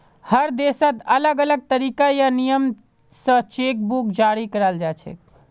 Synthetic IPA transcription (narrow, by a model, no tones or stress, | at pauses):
həɾd̪esət̪ələɡələɡ̚t̪əɾikajanijəm | sə̃t͡ʃek̚bukd͡ʒaɾikəɾəld͡ʒat͡ʃʰɛ̰k̚